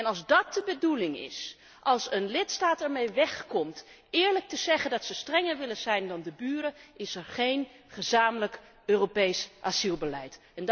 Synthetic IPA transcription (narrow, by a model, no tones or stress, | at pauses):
ɛnɑlˠzdɑt̚dəbədulɪŋɪ̰s | ʔɑlˠsənlɪtstaːtɛɹmejʋɛχkɔmt | ɪːɹlək̚təzɛχəndɑtsəstrɛŋəɹʋɪlənzɛjndɑndəbyːɾəʔɪsɛɹχejn | χəzaːmələk | øːropejsʔaz̥ilˠbəlɛjt | ɛn